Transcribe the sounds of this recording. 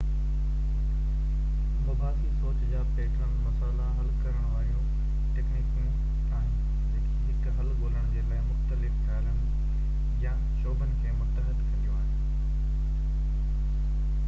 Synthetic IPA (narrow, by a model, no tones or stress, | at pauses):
mɐbʱaːsisoːt͡ɕd͡ʑaːpeːʈʰən̆mɐsaːlaɦɐlkɐɾəɽ̃ʋaːɾijũ | ʈeːkniːkmẽ | ɛ̃ː | ɦɪkɦɐlɡoːləɽ̃d͡ʑeːlaːɪmʊxt̪əlɪfpaːlənɪ̆ | ja | ʃoːbənɪ̆kʰeːmʊt̪əɦəd̪kɐd̪ijũaːɦɪ